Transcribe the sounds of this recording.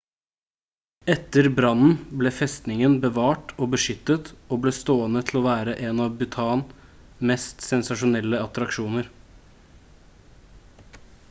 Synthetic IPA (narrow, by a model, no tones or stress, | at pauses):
ɛt̪ːəɾbɾɑnn̩bleːfɛst̪nɪŋənbəʋɑːʈoːbəʂʏt̪ːət̪oːbleːst̪oːənət̪ʰl̩ɔːʋæːɾəʔeːnɑʋbʉt̪ʰɑːn | mɛst̪sɛnsɑʂʊnɛlːəɑt̪ɾɑkʃuːnəɾ